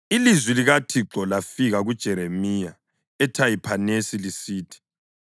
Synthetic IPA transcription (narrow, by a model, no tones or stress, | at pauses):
ilizwiliɣatʰiǁɔlafiɣaɣud̥ʒ̥ʱɛɾemiːja | ɛtʰajipʰanesilisiːtʰi̥